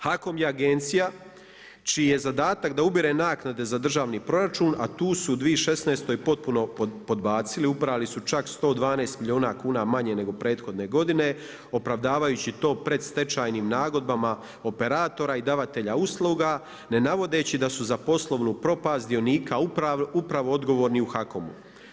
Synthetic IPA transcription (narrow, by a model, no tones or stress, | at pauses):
hako̞mjeaɡe̞nt̪sija | t͡ʃiːje̞zad̪aːt̪akd̪aubiɾe̞naːknad̪e̞zad̪r̩ʒaːʋniːpɾo̞ɾat͡ʃuːna̰t̪uːsuːd̪ʋieʃe̞sne̞ːst̪o̞ːjpo̞t̪̚puno̞po̞d̪baːt̪siliupɾalisut͡ʃakst̪o̞ːd̪ʋaːneːst̪milʎʲioːnakuːnamaɲe̞ne̞ɡo̞pɾe̞ːt̪xo̞d̪ne̞ɡo̞d̪ine̞ | o̞pɾaʋd̪aːʋajuːt͡ɕit̪o̞ːpɾe̞d̪st̪e̞t͡ʃaːjniːmnaːɡo̞d̪̚bama | o̞pe̞ɾaːt̪o̞ɾaid̪aʋat̪e̞ʎauslˠuːɡa | ne̞naʋo̞d̪e̞ːt͡ɕid̪asuzapo̞slˠo̞ʋnuːpɾo̞paːst̪d̪io̞niːkaupɾaʋoo̞d̪ɡo̞ʋoːɾniuxako̞mṵ